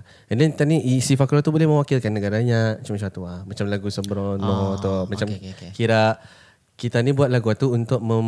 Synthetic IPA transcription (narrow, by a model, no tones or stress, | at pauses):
əndɛnt̪aniisifaklɔt̪ubolɛhmə̃wakilkanːəɡaɾaɲaat͡ʃamːat͡ʃamat̪uamat͡ʃamlaɡusəmbəɾɔnɔt̪ɔmat͡ʃamkiɾaʔ | kit̪anibuat̪̚laɡuat̪uunt̪ʊk̚mə